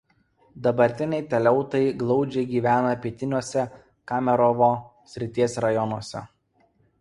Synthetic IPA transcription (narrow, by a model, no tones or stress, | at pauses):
d̪ɐbɐɾʲt̪ʲɪnʲɛɪt̪ʲɛlʲɛʊt̪ɐɪɡlˠɒʊd͡ʒʲɛɪɡʲiːʋʲæːnɐpʲiɛt̪ʲɪnʲuɔsʲɛ | kɑːmʲɛɾɔʋoː | sʲɾʲɪt̪ʲiɛsʲɾɐjɔnuɔsʲɛ̰